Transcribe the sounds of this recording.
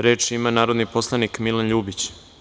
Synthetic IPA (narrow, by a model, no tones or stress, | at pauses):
ɾeːt͡ʃimanaːɾod̪nipo̞slˠanikmilanʎuːbit͡ɕ